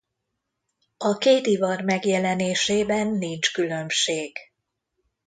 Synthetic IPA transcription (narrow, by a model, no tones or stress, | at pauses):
ɒkeːt̪ivɒrmɛɡjɛlɛneːʃeːbɛnːint͡ʃkylø̞mʃeːɡ̥